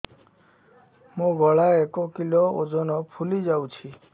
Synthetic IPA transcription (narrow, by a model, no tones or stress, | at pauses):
mũɡʱɔɭaekɔkilɔo̰d͡ʒɔnɔpʰulid͡ʒawt͡ʃʰi